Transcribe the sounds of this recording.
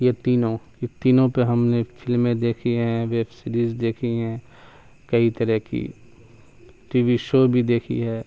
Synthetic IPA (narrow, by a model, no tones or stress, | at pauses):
jet̪iːnõjet̪iːnõpeɦɐmnefʰɪlmẽd̪eːkʰiɦɛ̃ʋeːbsɪɾiːzd̪eːkʰiɦɛ̃ː | kɐit̪ɐɾəɦkḭ | ʈiːʋiʃoːbʱid̪eːkʰḭɦɛː